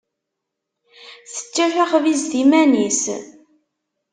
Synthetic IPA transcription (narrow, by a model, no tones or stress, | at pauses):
θə̥t͡ʃːæθaχvizðimænis